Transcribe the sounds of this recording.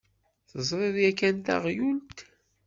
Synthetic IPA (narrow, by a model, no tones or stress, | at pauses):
θəzˤɾˤeðjækːænt̪a̰ʁjult̪